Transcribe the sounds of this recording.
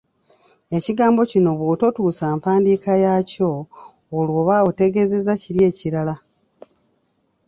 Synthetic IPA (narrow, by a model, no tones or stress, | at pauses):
e̞ciɡaːmbo̞cino̞βwoːto̞tuːsaːmpaːndiːkajaːco̞ː | lwo̞ːβaote̞ɡe̞ze̞zaciɾje̞ːciɾala